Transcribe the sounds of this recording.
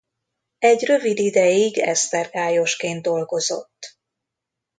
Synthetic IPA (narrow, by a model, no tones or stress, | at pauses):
ɛɟrø̞vid̪id̪ɛjiɡɛ̰st̪ɛrɡaːjo̞ʃkeːn̚d̪o̞lɡo̞zo̞̰t̪ː